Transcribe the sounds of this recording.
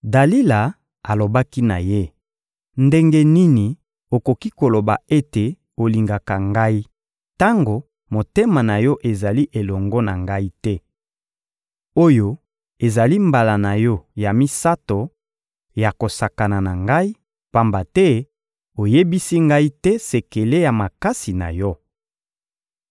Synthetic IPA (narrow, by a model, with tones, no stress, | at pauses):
da˨li˦la˨ | a˨lo˨ba˦ki˦na̰˨je˦ | nde˦ŋɡe˦ni˦ni˨ | o˨ko˨ki˦ko˨lo˨ba˨e˦te˨ | o˨li˨ŋɡa˨ka˨ŋɡa˦i˦ | ta˦ŋɡo˨ | mo˨te˦ma˨na˨jɔ˦ʔe˨za˨li˦ʔe˨lɔ˨ŋɡɔ˦na˨ŋɡa˦i˦tɛ˦ | o˦jo˦ | e˨za˨li˦mba˨la˨na˨jɔ˦ja˨mi˦sa˦to˨ | ja˨ko˨sa˨ka˨na˨na˨ŋɡa˦i˦ | pa˦mba˨tɛ˦ | o˨je˦bi˦si˦ŋɡa˦i˦tɛ˦se˨ke˨le˦ja˨ma˨ka˦si˨na̰˨jɔ˦